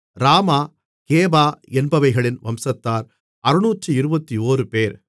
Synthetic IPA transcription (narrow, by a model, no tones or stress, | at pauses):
ɾaːmaː | keːbaːɛnbɐʋɐɪɣɐɭɪnʋɐmsɐt̪ːaːɾ | ɐɾɯnuːtrɯɪɾɯbɐt̪ːioːrɯpeːɾ